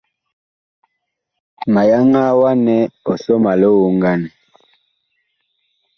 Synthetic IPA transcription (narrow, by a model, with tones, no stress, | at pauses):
ma˨ja˦ŋa˦wa˦nɛ˦ɔ˨sɔ˦ma˨lo˦wo˦ŋɡa˦˨n˨